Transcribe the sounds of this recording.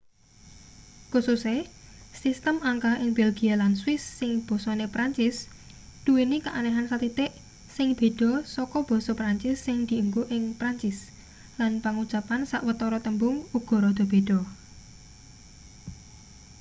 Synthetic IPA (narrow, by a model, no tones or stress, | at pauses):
kususesist̪əmaŋkaɦʔɪŋb̥ɛlɡ̥ialanswɪsːɪŋb̥ɔ̤sɔnepɾaɲt͡ʃɪs | d̪̥uwinikaʔanɛɦansat̪it̪ɪʔ | sɪŋb̥e̤ɖ̥ɔ̤sɔkɔb̥ɔ̤sɔpɾaɲt͡ʃɪsːɪŋd̪̥i̤uŋɡuʔɪŋpɾaɲt͡ʃɪs | lanpaŋud̥ʒ̥apansaʔwət̪ɔɾɔt̪əmbʊŋuɡ̥ɔ̤ɾɔd̪̥ɔ̤b̥e̤d̥ɔ